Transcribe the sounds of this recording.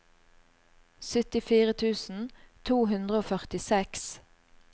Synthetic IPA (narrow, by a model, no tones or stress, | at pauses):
sʏt̪ɪfiːʁət̪ʰʉːsn̩t̪ʰuːɦʉnd̪ʁəoːfœʁt̪ɪsɛks